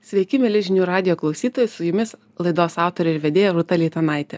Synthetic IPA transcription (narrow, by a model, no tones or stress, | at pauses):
sʲʋʲɛɪkʲɪmʲɛlʲɪʒʲɪnʲuːɾɑːd̪ʲɪjoːklˠɒʊsʲiːt̪oːjʊsʊjʊmʲɪs | lˠɐɪd̪oːsɑˑʊt̪oːɾʲɛɪɾʋʲɛd̪ʲeːjɛɾʊt̪ɐlʲiːt̪ɐnɑˑɪt̪ʲɛ